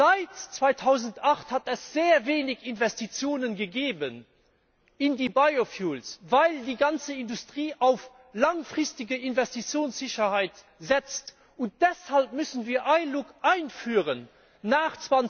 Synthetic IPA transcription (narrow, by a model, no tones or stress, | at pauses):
zaɪtt͡sv̥aɪtʰaʊzəntaχthatɛsz̥eːɐveːnɪkinvɛstit͡sjoːnənɡəɡeːbən | ɪndiːbaɪofjuːlsvaɪldiːɡɑnt͡səindustʁ̥iːʔaʊf | lɑŋfʁɪstɪɡəʔinvɛstit͡sjoːnsz̥ɪɕɐhaɪt | zɛt͡st | ʊnt̚d̥ɛshalp̚mʏsənviːɐʔaɪnlukʔaɪnfyːʁənː | aːχt͡svɑn